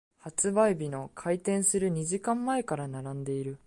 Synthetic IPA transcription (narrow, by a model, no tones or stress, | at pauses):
hat͡sɨbaibʲino̞kʰait̪ẽ̞ɰ̃sɨɾɯ̟ɲ̟iʑikãmːae̞kaɾanaɾãnd̪e̞iɾɯ̟